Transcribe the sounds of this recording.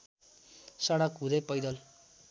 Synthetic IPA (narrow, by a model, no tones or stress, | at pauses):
saɽakud̪epʌjd̪ʌl